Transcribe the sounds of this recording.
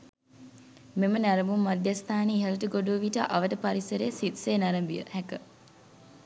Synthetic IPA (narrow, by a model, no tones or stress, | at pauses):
memənaɾəmumːad̪jɐst̪ʰaːniiɦɐlɐʈəɡoɖuːʋiʈəʔɐʋəʈəpaɾisəɾeːsit̪seːnɐɾəmbiə̰hɛkə